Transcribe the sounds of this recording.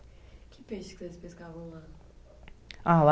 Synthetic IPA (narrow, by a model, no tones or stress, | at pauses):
kʲʰɪpeʃɪ̥kɪ̥sezspeskavɐ̃w̃lã | ala